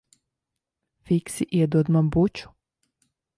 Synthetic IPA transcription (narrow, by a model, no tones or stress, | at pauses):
fiksiʔed̪od̪mambut͡ʃu̥